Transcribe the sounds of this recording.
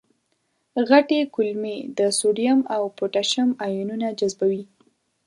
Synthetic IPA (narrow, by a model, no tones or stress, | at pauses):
ɣaʈekʊlmed̪əsoɖijamawpoʈaʃamajununad͡ʒazbawi